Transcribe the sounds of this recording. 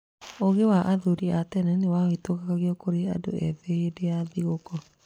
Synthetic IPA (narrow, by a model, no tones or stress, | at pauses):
oɣewaʔaðuɾiatɛnɛnewaoitokakaɣjɔkoɾea̰do̰ɛðeedeaðiɣokɔ